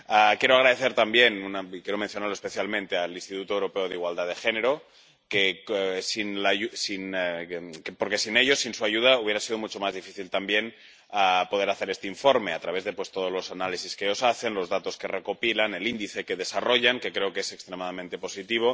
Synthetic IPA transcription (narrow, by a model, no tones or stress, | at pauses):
akjeɾoaɣ̞ɾaðeθeɾt̪ambjenunaikjeɾo̞mẽnθjonaɾloespeθjalmẽnt̪e̞alinst̪it̪ut̪oewɾo̞peoðeiɣwald̪aðe̞xeneɾo | kesinlausin | poɾke̞sineʎo̞sinsuaʝuð̞auβeɾasiðomut͡ʃo̞mazðifiθilt̪ambjen | apo̞ð̞e̞ɾaθe̞ɾest̪eiɱfo̞ɾmeat̪ɾaβe̞zðepwe̞st̪o̞ð̞ozlo̞sanalisiskeo̞saθe̞nlo̞zðat̪o̞ske̞rekopilane̞lind̪iθe̞keðe̞saro̞ʎaŋkekɾeokesekst̪ɾemaðamẽnt̪e̞po̞sit̪iβ̞o̞